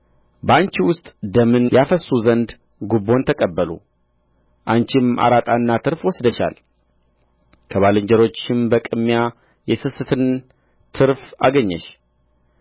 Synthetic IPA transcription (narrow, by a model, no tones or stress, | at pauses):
bəant͡ʃiwʊst̪ʼd̪əmɨnjafəsuzənd̪ | ɡubo̞nt̪ʰəkʼəbːəlṵ | ʔant͡ʃɪma̰ɾat̪ʼanːat̪ʰɨɾfwɔsd̪əʃa̰l | kʰəβalɨɲd͡ʒɛɾo̞t͡ʃːɪmbəkʼɨmːja | jɛsɨsɨt̪ʰɨn | t̪ʰɨɾfaɡəɲːɛ̰ʃ